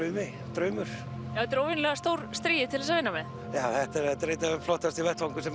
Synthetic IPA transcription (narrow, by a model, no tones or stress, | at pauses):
œːɥmɪ | t̪ɾœːɥmʏɾ̥ | jawhɛt̪ʏɾoːwvɪnlɛɣast̪owɾ̥st̪ɾiːjɪt̪ʰɪlɛsavɪnːamɛ | jaːwθɛht̪ɛɾɛht̪ɛɾejt̪aflɔht̪ast̪ivɛht̪vaŋkʏsɛm